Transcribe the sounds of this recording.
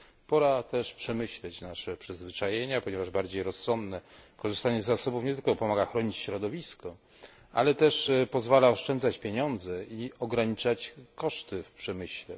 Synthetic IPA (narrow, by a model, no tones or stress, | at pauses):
pɔɾat̪ɛʂpʂɛmɘɕlɛt͡ɕnaʂɛpʂɛzvɘt͡ʂajeɲapɔɲɛvaʐbaɾd͡ʑejɾɔsːɔnd̪nɛkɔʐɨst̪aɲɛzːasɔbufɲɛt̪ɘlkɔpɔmaɡaxɾɔɲit͡ɕɕɾɔd̪ɔvʲiskɔ | a̰lɛt̪ɛʂpɔzvalaɔʂt͡ʂɛnd̪zat͡ɕpʲjeɲɔnd̪zɛiɔɡɾaɲit͡ʂat͡ɕkɔʂt̪ɘfpʂɛmɘɕlɛ